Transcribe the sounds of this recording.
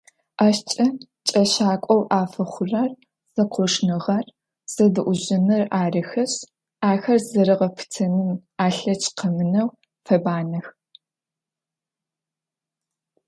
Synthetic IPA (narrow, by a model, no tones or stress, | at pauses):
ʔaɕt͡ʃʼɐ | t͡ʃʼɐɕaːkʷʼɔwʔaːfɐχʷʊrɐr | z̥ɐqʷɔʂnɨʁɐr | z̥ɐdɨʔʷʊʑɪnɨraːrɨxɐɕ | aːxɐrzɐɾɨʁɐpʰɨ̥tʰɐnɨnaːɬɐt͡ʃʰʼqɐmɨnɐw | fɐbaːnɐx